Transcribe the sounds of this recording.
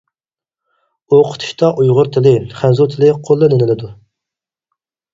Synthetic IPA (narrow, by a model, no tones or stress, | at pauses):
oqʰə̥t̪ʰu̥ʃt̪ɑʔujʁʊɾt̪ʰɪlɪχænzut̪ʰɪlɪqʰolˠːɨnɪnɪlɪd̪u